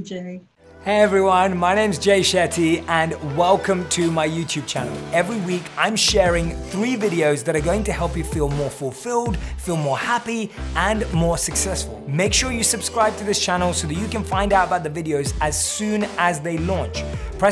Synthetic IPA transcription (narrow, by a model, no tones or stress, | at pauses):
d͡ʒe | heɪɛvɹiwʌ̃nmaɪñẽɪ̃mzd͡ʒeɪʃɛɾʰiə̃nwɛlˠkə̃mtʰɨmaɪjʉtʰʉb̚t͡ʃʰænl̩ˠɛvɹiwikʰãɪ̃mʃɛɹɪ̃ŋθɹivɪɾioʊzðɨɾə˞ɡoʊɪ̃ŋtɨhɛlˠpjɨfilˠmɔɹfəl̩ˠfɪlˠdfilˠmɔɹhæpiə̃nmɔɹsɨksɛsfə̰lˠmeɪkʃʊɹjɨsɨb̥skɹaɪb̚tʰɨðɪst͡ʃʰænl̩ˠsoʊðɨt͡ʃɨkɨ̃nfãɪ̃ndaʊɾəbaʊt̪̚ðəvɪɾioʊzɨz̥sʉ̃ːnəzðeɪlɔ̃nt͡ʃpʰɹ̥ɛ